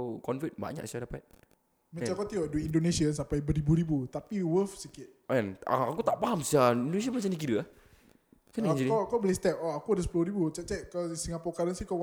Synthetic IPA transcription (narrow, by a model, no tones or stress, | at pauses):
kɔnfit̪̚ba̰ɲa̰ʔsiadapat̪̚ | mãt͡ʃakat̪iɔʔduiindonesiənsampajbəɾibuɾibut̪apiwəfsikɪt̪̚ʔɛna̰a̰kut̪aʔpaɦamsiaĩndons̬ianmat͡ʃanak̬iɾəa | kanaɲd͡ʒinkkabəlist̪ɛp̚ɔakuadəsə̥pulʊɾibut͡ʃɛʔt͡ʃɛʔkasiŋapɔkaɾənsihka